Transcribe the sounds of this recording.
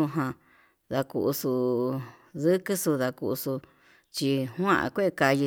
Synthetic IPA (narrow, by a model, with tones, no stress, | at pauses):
ũ˧ɦã˧ | ða˧kṵ˧˨ʔu˧su˧ | ðɨ˦kɨ˦su˧ða˧ku˧ʔu˧su˧ | t͡ʃi˧hw̃ã˦ʔã̰˧kʷe˦˧ka˧ji˧